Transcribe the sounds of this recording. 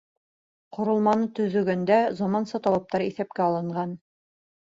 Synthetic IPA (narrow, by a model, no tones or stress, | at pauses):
qŏɾŏlˠmɑnɤt̪ɵ̆ðɵ̆ɡænd̪æzɑmɑnsɤt̪ɑlˠɑp̚t̪ɑɾiθæp̚kæɑlˠɤ̆ɴɢɑn